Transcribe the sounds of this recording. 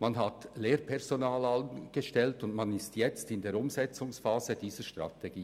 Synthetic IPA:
manɦatleːɾpʰɛʁz̥onaːlanɡ̥əʃtɛltʊndmanɪstjɛt͡stɪndeːɾʊmzɛt͡sʊŋsfaːzəd̥iːzəʃtʁ̥a̰tʰeɡ̥iː

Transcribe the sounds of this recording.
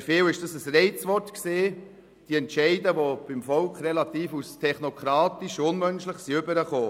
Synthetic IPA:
feːwɪʃd̥ɑsəsrɛɪt͡sʋɔɾtkseː | d̥iɛntʃɛɪdəʋob̥ɪmfɔlkχɾɛlɑt̪iːfustʰɛχnɔkʰɾɑːtiʃʊnmœnʃləχsiʏbəɾəχoː

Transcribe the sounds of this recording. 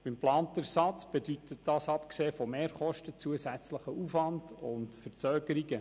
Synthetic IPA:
b̥ɪmplɑːnt̪əɾsɑt͡sb̥edyt̪ətd̥ɑːsɑpkseːfɔmeːɾχɔʃtət͡suəsæt͡sləχəufʋɑndʊntfəɾt͡sœːɡ̥əɾiɡə

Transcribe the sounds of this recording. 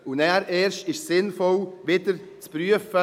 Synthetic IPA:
ʊnɛɾɛːɾʃtɪʃsɪnfɔlʋɪːdəɾ | t͡spɾyəfə

